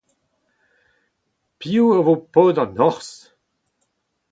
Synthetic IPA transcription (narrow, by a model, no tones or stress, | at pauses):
piuavopoːdɑ̃nɔʁs